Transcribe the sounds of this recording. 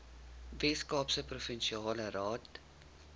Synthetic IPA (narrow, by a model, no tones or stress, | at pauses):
vɛskɑːpsəprofənʃiɑːləɾɑːt